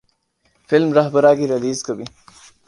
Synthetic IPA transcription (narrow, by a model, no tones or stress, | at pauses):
fɪlmɾɐɦbɐɾaːɡiɾɐliːzkəbi